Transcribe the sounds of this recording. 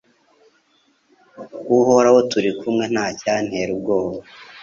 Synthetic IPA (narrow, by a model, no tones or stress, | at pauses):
kuhoɾawotuɾikʰumŋe̞n̥haːcaːn̥heɾub̚ɡo̞ːβa